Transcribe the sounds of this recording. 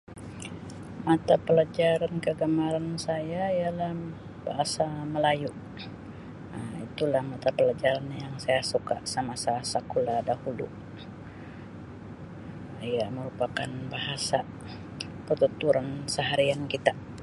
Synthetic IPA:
mat̪apəlad͡ʒaɾankəɡamaɾansajaijalah | ba̰ɦasaməlajuʔ | əmit̪ulahmat̪apəlad͡ʒaɾanjaŋsajasuka̰ʔsamasasakuladahulṵ | ijaməɾupakanbaɦasa | pət̪ut̪uɾansəɦaɾiankit̪a

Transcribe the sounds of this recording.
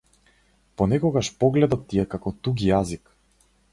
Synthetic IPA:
pɔnɛkɔɡaʃpɔɡlɛd̪ɔt̪ːiɛkakɔt̪uɡijazik

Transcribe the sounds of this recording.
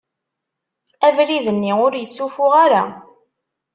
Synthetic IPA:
ævɾiðənːiʊɾjəsːufʊʁaɾa

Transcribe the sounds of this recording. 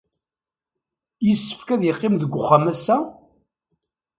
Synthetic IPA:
jəsːə̥fkæðjəqːɪmðəɡʷːʊχːamæsæ

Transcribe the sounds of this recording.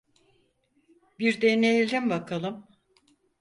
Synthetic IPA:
biɾd̪enejilʲimbakʰalˠɯm

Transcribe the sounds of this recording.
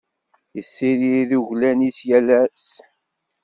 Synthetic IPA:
jəsːiɾiðuʝlænisjælæs

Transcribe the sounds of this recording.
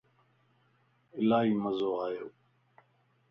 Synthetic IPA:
ɪlaːɦiːməzoːaːjoː

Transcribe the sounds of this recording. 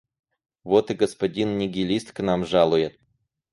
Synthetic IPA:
vot̪ɨɡəspɐdʲinnʲɪɡʲɪlʲist̪knamʐalˠʊjɪt̪

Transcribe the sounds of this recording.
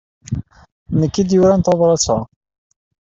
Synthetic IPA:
nəkːid̪jʊɾant̪ɑðˤɾˤɑt͡sːɑ

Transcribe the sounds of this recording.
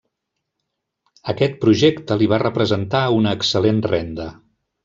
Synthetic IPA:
əkɛt̪̚pɾuʒekt̪əliβ̞arəpɾəzənt̪aunəːksəlenrɛnd̪ə

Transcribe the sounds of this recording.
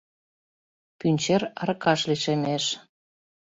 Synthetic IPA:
pynʲt͡ɕeɾɑɾɤkɑʃliʃemeʃ

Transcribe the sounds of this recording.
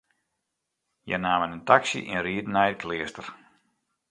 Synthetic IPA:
jɛ̰naːmənəntaksḭʔḭnriədnɛjkʰlɪəstər

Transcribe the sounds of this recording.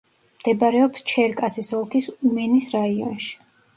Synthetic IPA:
md̪̥ɛbaɾɛɔpst͡ʃʰɛɾkʼasisɔlˠkʰisumɛnisɾaiɔ̰nʃi̥

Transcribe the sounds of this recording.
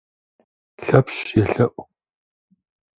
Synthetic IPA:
ɬɐpɕjɛɬɐʔʷ

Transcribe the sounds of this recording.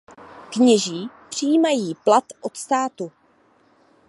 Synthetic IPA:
kɲɛʒiːpr̝̥ijiːmajiːplat̪ʔot̪st̪aːt̪u

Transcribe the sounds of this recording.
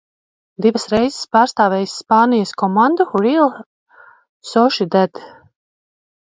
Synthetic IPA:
d̪ivɐsɾɛjzɪ̥spaːɾst̪aːvɛjsːpaːnijaskɔmand̪uɾilˠ | sɔʃid̪ɛd̪

